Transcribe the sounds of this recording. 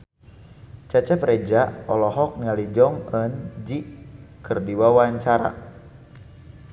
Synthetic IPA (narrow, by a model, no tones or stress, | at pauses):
t͡ʃat͡ʃɛpɾed͡ʒaɔlɔɦɔk̚nialid͡ʒɔŋənd͡ʒikərdiwawaɲt͡ʃaɾa̰